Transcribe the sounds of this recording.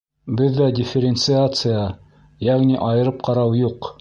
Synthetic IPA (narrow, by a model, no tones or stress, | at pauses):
bɘðːædʲɪfʲɪɾʲɪnt̪sɨat̪sɨja | jæʁniʔɑjɤ̆ɾɤp̚qɑɾɑwjuq